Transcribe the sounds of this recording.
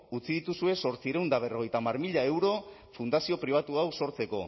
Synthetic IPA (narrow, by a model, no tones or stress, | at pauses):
ut͡siðit̪usue̞so̞ɾt͡siɾeuwnd̪aβ̞e̞ro̞ɣjt̪amaɾmiʎaewɾo̞ | fund̪asio̞pɾiβ̞at̪uawso̞ɾt͡se̞ko̞̰